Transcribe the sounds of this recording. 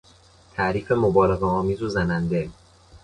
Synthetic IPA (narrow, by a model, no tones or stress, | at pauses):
t̪ʰæʔɾiːfe̞mobɒːleɣɛɒːmiːzuzænænd̪e